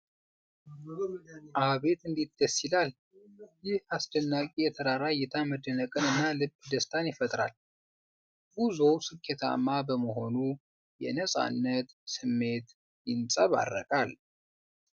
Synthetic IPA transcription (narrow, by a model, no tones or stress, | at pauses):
ʔaβe̞t̪ɨnd̪it̪d̪̥əsɪlal | jɪhasd̪ənːakʼijɛt̪ʰəɾaɾajɛt̪ʰaməd̪ːənəkʼɨnɨnːalɨbːd̪əst̪ʰanjɪfət̪ʼɾa̰l | buzowsɨkʰːet̪ʰa̰mːabəməho̞nu | jɛ̰nəsʼa̰nːət̪sɨmːe̞t̪ | jɪnsʼəβa̰rːə̰kʼal